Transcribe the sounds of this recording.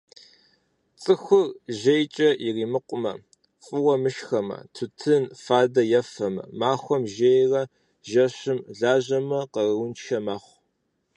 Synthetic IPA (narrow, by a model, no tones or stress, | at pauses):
t͡sʼɨxʷʊrʒejt͡ʃʼɐʔiriːmɨqʷʼʊmɐ | fʼɨwɐmɨʃxɐmɐ̰tʰʊtʰɨnfaːdɐjɛfɐmɐ̰maːxʷɔmʒejrɐ | ʒɐɕɪmɮaːʑɐmɐqəʊnt͡ʃʰɐmaːχʷ